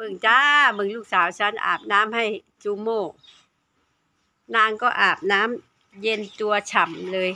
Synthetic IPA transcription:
bɯ˧˩ŋt͡ɕaː˦˥bɯ˧˩ŋluː˥˩k̚saː˩˦wt͡ɕʰa˦˥nʔa̰ː˨˩p̚naː˦˥mha˥˩j | t͡ɕu˧moː˥˩ | naː˧˩˨ŋkɔː˥˩ʔaː˨˩p̚naː˦˥m | je˧nt̪u˧ɐt͡ɕʰa˨˩mlɤː˧j

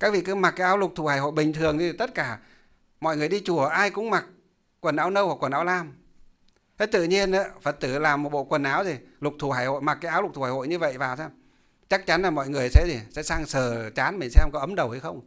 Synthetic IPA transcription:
kaː˦˥k̚vḭ˧˨kɨ˧˨˦ma˨˩t̚kaː˨˦jʔːwlʊ˨˩k͡p̚t̪ʰu˨˩haː˧˩jho̰˧˨jɓï˨˩ŋ̟t̪ʰɨ˨˩əŋt̪i˨˧˨t̪ə˦˥t̚kaː˧˩ | mɔ̰˧˨jŋɨ˨˩əjɗi˧t͡ɕu˨˧˩əʔaː˧jkʊ̰˧˥ŋ͡mma˨˩k̚ | kːwə˨˩nʔaː˨˦wnə˧wha˨˩kwə˨˩nʔaː˨˦wlaː˧˩m | t̪ʰe˨˦jt̪ɨ̰˧˨ɲi˧ənʔaː˧˥fə˨˩t̚t̪ɨ˧˩laː˨˩mːo˨˩t̚ɓo̰˧˨kwə˨˩nʔaː˨˦wt̪ʰi˨˩lʊ˨˩k͡p̚t̪ʰu˨˧˩aː˧˩jho̰˧˨jma˨˩kaː˨˦ʔaː˨˦wlʊ˨˩k͡p̪̚ʰu˧˩haː˧˩ho̰˧˨ɲɨ˧və̰˧˨jvaː˨˩wsaː˧m | t͡ɕa˦˥k̚t͡ɕa˨˦nlaː˨˩mɔ̰˧˨jŋɨ˨˩əjsɛ̰˧˥t̪ʰi˨˩sɛ̰˧˥saː˧ŋsəː˧˨˩t͡ɕaː˨˦nmi˨˩ŋ̟sɛ˧mkɔ˨˦ʔə˨˦mɗə˨˩whə˧jxə˧wŋ͡m

